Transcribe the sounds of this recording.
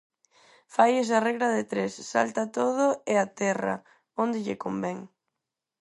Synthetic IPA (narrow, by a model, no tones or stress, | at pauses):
fajes̬ɐrɛɣɾɐðɪt̪ɾesːa̰lt̪at̪oð̞ʊeat̪ɛrɐ̰ | ond̪ɪʎḛkombɛŋ